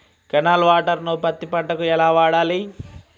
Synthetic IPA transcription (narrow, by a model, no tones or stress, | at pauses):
kɛnaːlʋaːʈɐɾnopɐt̪ːipɐɳʈːɐkuɛlaːʋaːɽaːli